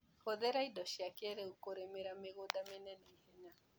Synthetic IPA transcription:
hɔðɛɾaidɔʃiakɛɾɛukoɾɛmeɾameɣodamenɛnɛihɛɲa

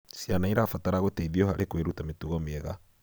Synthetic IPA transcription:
sjanaiɾafataɾaɣotɛiðiɔɦaɾʔekweɾutametuɣamɛɣa

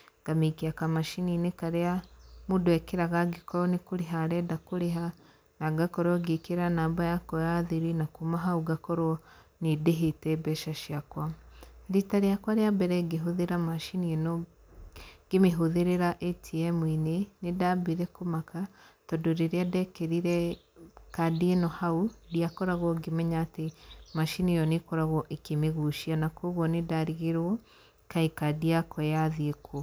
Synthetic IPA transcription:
ŋɡ̥amikiakamaʃininekaɾeamudwekeɾaɣaɡikoɾɔnikuɾiɦaɾɛdakuɾiɦa | naɡakɔɾoɡikiɾanaːmbajakojaðiɾinakumaɦauɡakoɾo | nideɦitɛbɛʃaʃiakwaɾitaɾijakwaɾeabɛɾeɡiɦuðiɾamaʃinino | ɡ̥emeɦoðeɾeɾaʔetʰiɛmwinenedabiɾɛkomakatɔdoɾeɾeadɛkeɾiɾɛ | kadienɔhaudiakɔɾaɣwɔɡemɛɲaːtemaʃinijɔnekɔɾaɣɔʔekemeɣuʃianakoɣwɔnedaɾiɣeɾwɔ | kaikadiakʰɔjaðiekʰo

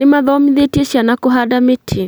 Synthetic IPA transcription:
ɪmaðɔmiðeteʃjanakoɦadametʰi

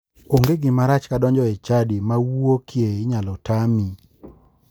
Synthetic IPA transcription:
oŋɡeɡɪmaɾat͡ʃkadɔɲd͡ʒɔɛt͡ʃadimawuokʰjeɪɲalɔtami

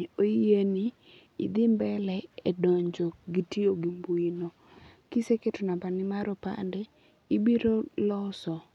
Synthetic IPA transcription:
oeni | ḭd̪ɪmbɛlɛɛdɔɲd͡ʒoɡitioɡimbuino | kiseketonabanɪmaɾɔpa̰ndeː | biɾolɔsɔ

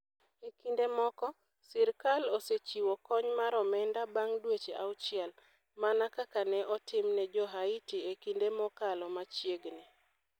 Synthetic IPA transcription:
ekindemɔkɔ | sɪɾkaloset͡ʃiwɔkɔɲmaɾɔmɛndabaŋdwet͡ʃeʔa̰ʊt͡ʃɪɛl | manakakanɛʔɔtɪmnɛd͡ʒɔɦaitiekindemɔkalɔmat͡ʃjeɡnɛ

